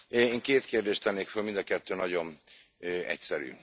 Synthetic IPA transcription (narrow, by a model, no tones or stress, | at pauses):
eːŋkeːt̪keːrd̪eːʃt̪ɛnːeːkfølmind̪ɒkɛt̪ːøːnɒɟo̞n | øɛ̰csɛɾy̰ː